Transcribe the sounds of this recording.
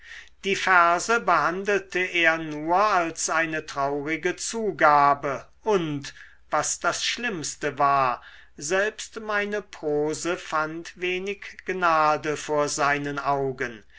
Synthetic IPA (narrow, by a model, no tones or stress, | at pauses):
d̥iːfɛɐzəbəhandl̩təʔeːɐnuːɐalsʔaɪnətʁ̥aʊʁɪɡət͡suːɡaːbə | ʔʊnt | vasd̥asʃlɪmstəvaːɐ | zɛlpstmaɪnəpʁ̥oːzəfantveːnɪkɡ̥naːdəfoːɐzaɪnənaʊɡən